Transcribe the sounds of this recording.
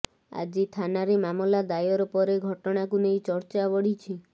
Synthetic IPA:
a̰d͡ʒit̪ʰanaɾemamɔlad̪ajɔɾɔpɔɾeɡʱɔʈɔɽ̃akunejt͡ʃɔɾt͡ʃabɔɽit͡ʃʰi

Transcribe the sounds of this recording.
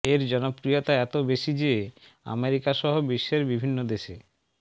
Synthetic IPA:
eɾd͡ʑɔnopɾijot̪aɛt̪obeʃid͡ʑe | a̰meɾikaʃɔɦobiʃːeɾbibʱinːod̪eʃe

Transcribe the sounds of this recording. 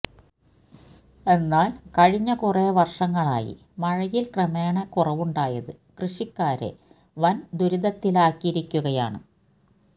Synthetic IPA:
e̞nːaːlkɐɻiɲːɐkureʋɐrʂɐŋːɐɭa̰ːjḭ | mɐɻɐjilkrɐme̞ːɳɐkurɐʋuɳɖaːjɐðɨ | krɨɕikːaːɾḛ | ʋɐnd̪uɾiðɐt̪ːilaːkːiiɾikʲːuɣɐja̰ːɳɨ̰

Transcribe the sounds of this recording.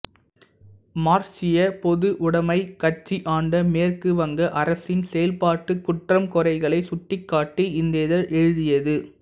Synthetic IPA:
maːɾsɪjɐpɔðɯʔʊɽɐmɐɪkɐʈ̚t͡ʃːiʔaːɳɖɐmeːrkɯʋɐŋɡɐʔɐɾɐsɪnsɛjɐlpaːʈːɯkːʊʈrɐmkɔrɐɪɣɐɭɐɪsʊʈːɪkːaːʈːɯɪnd̪eːðɐɾʔɛɻɯðɪjɐðɯ

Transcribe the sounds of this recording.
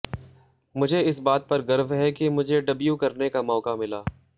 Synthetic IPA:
mʊd͡ʒʱeɪsbaːt̪̚pɐɾɡɐɾʋɦɛkemʊd͡ʒʱeɖɐbjukɐɾnekamɔːkamɪlaː

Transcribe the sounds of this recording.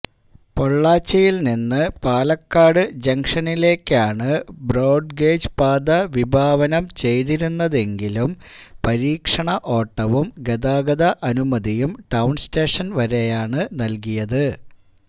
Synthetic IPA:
po̞ɭːaːt͡ɕːɐjilninːɨpaːlɐkːaːɽɨd͡ʑɐŋkʂɐnile̞ːkʲːaːɳɨbroːɖ̚ɡe̞ːd͡ʑpaːd̪ɐʋibʱaːʋɐnɐmt͡ɕe̞jt̪iɾunːɐðe̞ŋɡilumpɐɾiːkʂɐɳɐʔo̞ːʈːɐʋumɡed̪aːɡɐðɐʔɐnumɐd̪ijumʈɐwnsteːʂɐnʋɐɾejaːɳɨnɐlkijɐðɨ

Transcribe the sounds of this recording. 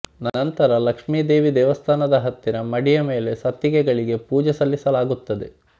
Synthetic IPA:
nɐnɐnt̪ɐɾɐlɐkʂmiːd̪eːʋid̪ɛːʋɐst̪ʰaːnɐd̪ɐɦɐt̪ːinɐmɐɽijɐme̞ːle̞sɐt̪jiɡɛɡɐɭiɡe̞puːd͡ʒɛsɐlːisɐlaːɡut̪ːɐd̪e̞

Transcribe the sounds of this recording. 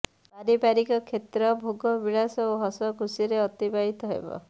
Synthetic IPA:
aɾibaɾikɔkʰet̪ɾɔbʱuɡɔbiɭasɔoɦɔsɔkusiɾeɔt̪ibaɦit̪ɔɦḛbɔ̰

